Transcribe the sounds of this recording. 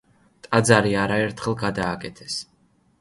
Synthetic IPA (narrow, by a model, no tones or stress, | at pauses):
t̪ʼad̪zaɾiaɾaɛɾt̪ʰχɛlˠɡad̪aːkʼɛt̪ʰɛs